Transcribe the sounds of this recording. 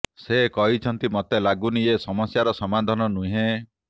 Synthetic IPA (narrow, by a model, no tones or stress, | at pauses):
sekɔɦit͡ʃʰɔnt̪imɔt̪elaɡunijesɔmɔsjaɾɔsɔmad̪ʱɔnɔnũɦẽ